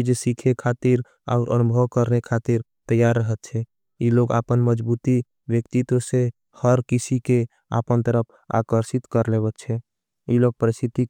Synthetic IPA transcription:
d͡ʒsikʰekʰat̪iɾ | a̰ʊɾʔə̰nubʱəwkəɾnekʰat̪iɾ | t̪əjaɾːəɦət̪̚t͡ʃʰɛ | jiloɡa̰pənməd͡ʒbut̪i | wjəkt̪it̪wəse | həɾkisike | a̰pənt̪əɾəp̚ʰ | a̰kəɾsɪt̪kəɾlebət̪̚t͡ʃʰɛ | jiloɡ̚pəɾist̪ʰit̪i

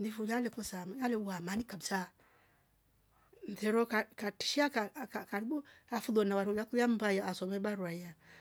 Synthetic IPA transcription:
ndifujalɛkɔsamalɛwamanikabisa | nθɛɾɔkakati̥ʃiakakkaɾibɔafuðɔnawaɾɔjakujam̩bajaʔasɔmɛbaɾwaia

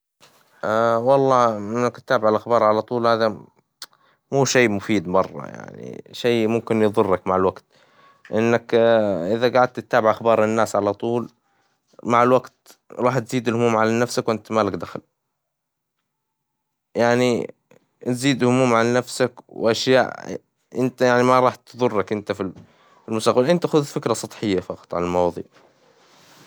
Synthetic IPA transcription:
ʔawɑlˤːɑːʔɪnːakt̪ːaːbɪʕɪlʔaxbɑːɾˤʕalat̪ˤuːlhaːða | muːʃeːmʊfiːd̪mɑrˤːɑ̰ja̰ʕnḭʃeːmʊmkɪnjɨðˤʊrːakmaʕɪlwaɡt̪ | ʔɪnːakʔɪðaɡaːʕad̪̚t̪t̪ːaːbɪʕʔaxbɑːɾˤɪnːaːsʕalat̪ˤuːl | maʕɪlwaɡt̪ | ɾˤɑːħt̪ziːd̪ɪlhʊmuːmʕalanafsakwʔɪnt̪malakd̪axal | jaʕni | t̪ziːd̪hʊmuːmʕalanafsakwʔaʃja̰ːʔ | ʔɪnt̪ajaʕnimaɾˤɑːħt̪ðˤʊrˤːɑkʔɪnt̪afi | fɪlmʊsaːqblʔɪnt̪axʊðfɪkɾɑsˤɑt̪ˤħɪjːafɑqɑ̥t̪ˤʕa̰lalmɑwɑðˤḭːʕ

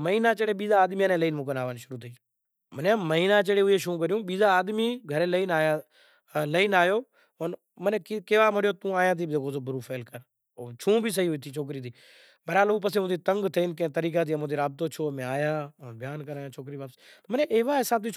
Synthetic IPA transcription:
məɦiːnaːt͡ʃeːɽeːɓiːzaːd̪miːaːnẽːləiːnmũːkənaːʋənʃʊɾuːt̪ʰiiː | mənjãːməɦiːnãːt͡ʃəɽeːʊɦeːʃũːk̬əɾjũːɓiːzaːaːd̪miːɡʱəɾeːləiːnaːjaː | ləiːnaːjoː | on | məneːkikeːʋaːmoɽjoːt̪ũːaːjãːt̪̬ʰiːbeːkʰoːsoːbʱʊɾuːfʰeːlkəɾ | ot͡ʃʰũːbʱiːs̬əɦiːʊt̪ʰiːt͡ʃʰoːk̬ɾiːt̪ʰiː | bəɾaːlouːpəsẽːmõːt̪iːt̪əŋɡt̪ʰeiːnkẽːt̪əɾiːk̬ãːt̪̬ʰiːəmõːt̪iːɾaːb̚t̪oːt͡ʃʰoːmẽːaːjaːbʱɪjaːnkəɾaːjãːt͡ʃʰoːkɾiːʋaːpst̪ːmənẽːʔeːʋaːɪsaːb̚t̪it͡ʃ

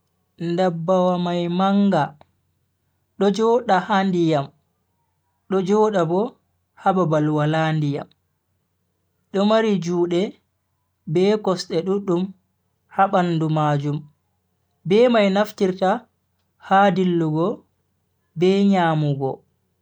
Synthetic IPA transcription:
ndabːawamajmaŋɡa | ɗɔd͡ʒɔɗahandijam | ɗɔd͡ʒɔːɗabɔ | hababalwalandija̰m | ɗɔmaɾid͡ʒuːɗɛ | bɛːkɔsɗɛɗuɗːum | haɓandumaːd͡ʒum | bɛːmajnaftiɾta | haːdilːuɡɔ | bɛɲaːmuɡɔ̰

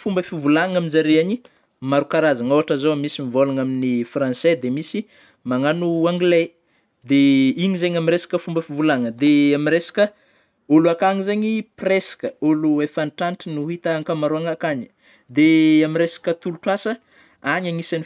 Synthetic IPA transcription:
fumbəfivulaŋaminzaɾeaɲi | maɾukaɾazaŋoaʈ͡ʂazowamisimivolaŋaminifrãnsɛd̪emisi | maŋanuaŋɡle | d̪eiɲizeɲamiɾesḁkəfumbəfivulaŋəd̪eamiɾesḁkə | oluakaŋizeɲipresḁkəoluefanʈ͡ʂanʈ͡ʂinuɦit̪aaŋkamaɾuaŋakaɲi̥ | d̪eaminɾesḁkət̪uluʈ͡ʂuasə | aɲaŋisani

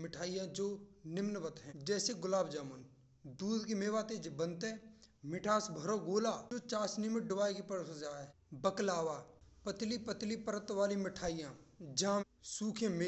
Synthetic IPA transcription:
mɪʈʰaːijãd͡ʒoːnɪmnʋət̪ɦɛ̃ːd͡ʒɛːseɡʊlaːbd͡ʒaːmən | d̪uːd̪kemeːʋaːt̪ed͡ʒbənt̪ɛ̃mɪʈʰaːsbʱəɾoɡoːlaːoːt͡ʃaːsnimɪʈ̚ɖʊʋaːikipəɾtod͡ʒaːɛ | bəklaːʋaːpət̪lipət̪lipəɾət̪ʋaːlimɪʈʰaːijãːd͡ʒãː | suːkʰẽme

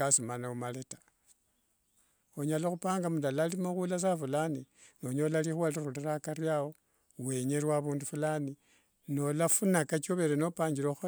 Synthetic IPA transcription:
asimanaumaletḁ | oɲalaxupaːŋɡamudalalimoxulas̬afulani | no̞ɲo̞lalixwaliɾulirakaɾjawo̞ | we̞ɲeɾwaβuːndufulani | no̞lafunakat͡ʃoβe̞ɾeno̞paːɲɟiɾox

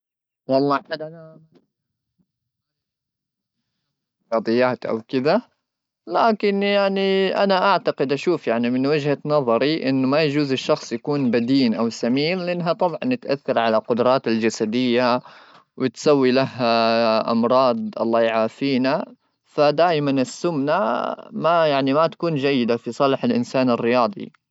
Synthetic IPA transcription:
wɑlˤːɑad | ɑd̪ˤɨjːaːt̪ʔa̰wkɪd̪a | laːkɪnjaʕniʔa̰naʔaʕt̪aqɪd̪ʔaʃuːfjaʕnimɪnwɪd͡ʒhanɑðˤɑɾiʔɪnːʊmajad͡ʒuːzɪʃːɑxsˤjakuːnbad̪iːnʔawsamiːnlɪʔɪnːɦat̪ˤɑbʕɑ̰nːɪt̪ʔaθːɑɾˤʕalaqʊd̪ɾˤɑːt̪ɪld͡ʒasad̪ɪjːa | wɪt̪sawːilaɦːaʔɑ̰mɾˤɑːd̪̚ˤʔɑ̰lˤːɑːjʕaːfiːna | fad̪aːʔmanɪsːʊmna̰majaʕnimat̪ḁkuːnd͡ʒajːɪd̪afisˤɑlɪħalʔɪnsaːnɪrːɪjɑːd̪ˤḭ

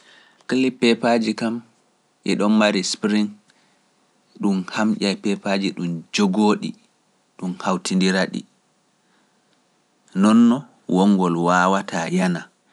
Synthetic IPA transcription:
kəlːipɛpad͡ʒikam | ʔɛ̰ɗɔnmaɾispɾiŋ | ɗumhamʔajpɛpad͡ʒiɗumd͡ʒoɡoːɗḭ | ɗumhawtindiɾaɗḭ | nɔnːɔ | wɔŋːɡɔlwaːwatʰajana

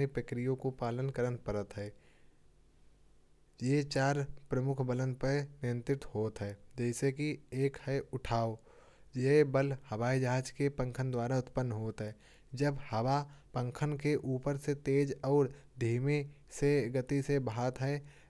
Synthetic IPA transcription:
ipɾəkɾijõkopaːlənkəɾənpəɾət̪ɦɛː | jet͡ʃaːɾpɾəmʊkʰbələ̃nd̪̚pəɾnɪjə̃nt̪ɾɪt̪hoːt̪ɦɛːd͡ʒɛːsekieːkhɛʊʈʰaːo | jebəlhɐʋaːid͡ʒaːd͡ʒkepə̃ŋkʰənd̪waːɾaʊt̪pənːɦoːt̪ɦɛː | d͡ʒəbhɐʋapə̃ŋkʰənkeʔuːpəɾset̪eːd͡ʒɔːɾ | d̪ʱiːmeseɡət̪isebaːt̪ɦɛː

